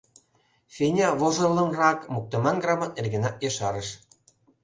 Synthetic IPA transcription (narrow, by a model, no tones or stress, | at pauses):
fʲenʲɑβoʒɤ̆rlɤ̆nrɑkmuk̚t̪ə̆mɑnɡrɑmɤ̆nerɣĕnɑt̪̚jeʃɑɾə̆ʃ